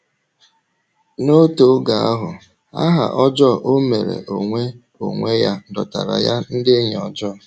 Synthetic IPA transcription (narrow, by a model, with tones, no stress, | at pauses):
no˦to˨˦ɡa˨a˦ɦʊ˨ | a˦ɦa̰˨ʔɔ˦d͡ʒɔ˦˨ʔo˦me˨ɾḛ˨ʔo˨ŋʷe˦ | o̰˨ŋʷe˦ja˦dɔ˨ta˨ɾa̰˨ja˦n̩˦dɪ˦ɲ˨ɔ˨d͡ʒɔ˦˨